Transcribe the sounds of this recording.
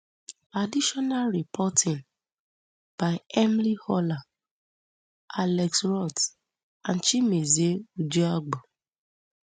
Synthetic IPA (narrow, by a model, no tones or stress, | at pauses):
adiʃɔnalɹipʰɔtɪ̃ŋ | b̥aɪɛmlihɔla | alɛksɹɔt | ãnt͡ʃimezeud͡ʒuaɡ͡bo